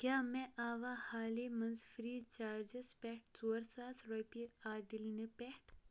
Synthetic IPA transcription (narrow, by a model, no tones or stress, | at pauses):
kʲaːmeʔaːʋaːhaːlimɐnzfɾiːt͡ʃaːɾd͡ʒespʲeʈ̚ʰt͡soːɾsaːsɾopiaːd̪ilnipɛʈʰ